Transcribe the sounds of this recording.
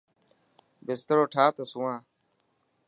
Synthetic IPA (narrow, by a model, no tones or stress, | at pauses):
bɪst̪əɾoːʈʰaːt̪əsũːãː